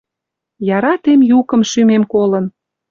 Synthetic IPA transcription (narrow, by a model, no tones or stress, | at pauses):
jɑɾɑt̪emjukə̆mʃymemkolə̆n